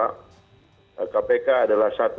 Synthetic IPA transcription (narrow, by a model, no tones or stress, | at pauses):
aʔ | kapekaːdalahsat̪u